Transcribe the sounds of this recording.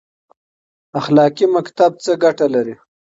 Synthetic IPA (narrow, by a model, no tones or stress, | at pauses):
axlɑkimakt̪ab̚t͡səɡaʈalaɾi